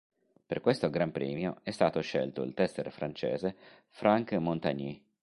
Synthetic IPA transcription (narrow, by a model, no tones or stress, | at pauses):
perkwest̪oɡɾampɾḭːmjo̰ɛst̪aːt̪oʃḛlt̪oḭlt̪ɛst̪eɾfɾant͡ʃḛːze | fɾʔaŋkmont̪a̰ɲi